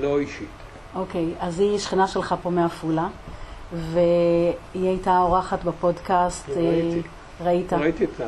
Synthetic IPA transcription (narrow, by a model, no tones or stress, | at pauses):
loiʃit̪ | ʔokejaziʃχinaʃe̞lχapo̞meafula | veiajtaoʁaχatbapo̞dkast̪e | ʁaitaitit